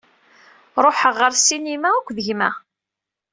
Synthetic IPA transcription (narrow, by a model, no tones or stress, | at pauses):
ɾˤoħəʁːəɾsinimæækʷːðəʝmæ